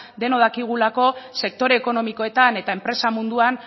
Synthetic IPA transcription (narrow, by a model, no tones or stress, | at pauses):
d̪e̞noðakiɣ̞ulako̞se̞k̚t̪o̞ɾe̞ːko̞no̞miko̞e̞t̪ane̞t̪ae̞mpɾe̞samund̪uan